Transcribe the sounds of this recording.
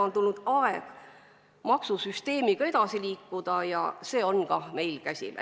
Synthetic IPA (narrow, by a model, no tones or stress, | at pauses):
ont̪ulːud̪̥ɑeɡ̥ | mɑksusyst̪e̞ːmiɡ̥ɑed̪̥ɑsiliːkˑːud̪̥ɑjɑ̰se̞ːo̞nkɑme̞jlkæsʲḭmæ̰